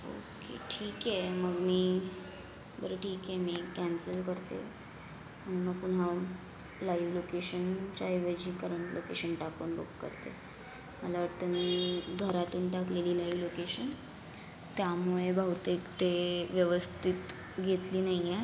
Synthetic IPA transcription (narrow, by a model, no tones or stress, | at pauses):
o̰kḛʈʰiːkjɛməɡmiː | bəɾəʈʰiːkjɛmekænsəlkəɾt̪ḛ | məñuməɡpunɦa | laiʋlokeɕənt͡ɕaiʋəd͡ʑiːkəɾəɳlʔokeɕənʈakuːnbo̰kkə̰ɾt̪ḛ | məlaʋaʈt̪əmiːɡʱəɾat̪uːnʈakleliːlaiʋlokeɕən | t̪jamuɭebʱawt̪ekt̪eʋjəʋəst̪ʰit̪ | ɡʱet̪liːnaie